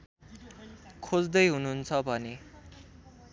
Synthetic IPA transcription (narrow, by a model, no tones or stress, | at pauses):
kʰod͡zd̪ʌjɦununt͡sʰʌbʱʌne